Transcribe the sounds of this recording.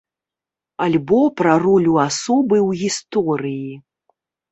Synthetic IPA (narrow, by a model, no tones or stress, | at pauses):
alʲbɔpɾɐrɔlʲuasɔbɨwɣʲist̪ɔɾɨji